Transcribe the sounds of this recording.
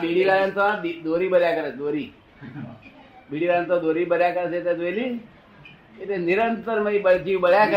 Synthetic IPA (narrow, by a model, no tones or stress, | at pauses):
biɽiːlajənt̪ad̪id̪oɾiːbəɾjakəɾad̪oɾiː | biɽiːlajənt̪ad̪oɾiːbəɾjakəɾaset̪at̪ʋeli | et̪eniɾənt̪əɾməibəd͡ʒiːʋbəɽjakə